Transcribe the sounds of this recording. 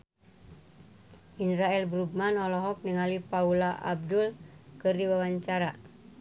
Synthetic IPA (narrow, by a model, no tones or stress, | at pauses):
ʔinɾaɛlbɾub̚manɔlɔɦɔk̚niŋalipaulaʔa̰b̚dulkɨrdiwawaɲt͡ʃaɾa